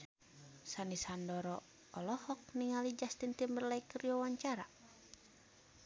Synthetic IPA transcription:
sanisandɔɾɔ | ɔlɔhɔk̚niŋalid͡ʒast̪int̪imbərlaikərijɔwaɲt͡ʃaɾa

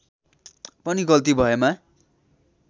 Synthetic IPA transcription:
pʌniɡʌlt̪̬ibʱʌema

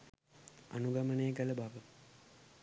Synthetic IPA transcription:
a̰nuɡamənəjəkələbaʋə

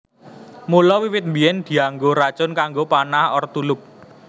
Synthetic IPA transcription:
mulɔwiwɪt̪̚mbiɛnd̪̥i̤aŋɡoɾat͡ʃʊnkaŋɡopanahɔrt̪ulʊp̚

